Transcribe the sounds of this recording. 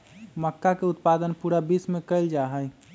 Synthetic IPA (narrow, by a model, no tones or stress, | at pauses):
məkːakeʊt̪paːd̪ənpuɾabismẽkəɪld͡ʒaɦəj